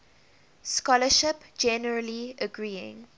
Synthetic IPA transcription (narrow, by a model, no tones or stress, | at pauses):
skɔləʃɪpd͡ʒɛnəɹəliəɡɹiːɪ̰̃ŋ